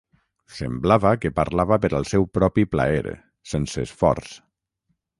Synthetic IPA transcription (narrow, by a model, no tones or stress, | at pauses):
sə̰mblaβakəpaɾlaβapəɾəlˠsɛwpɾɔpipla̰eɾ̰ | sensəːsfɔ̰ɾs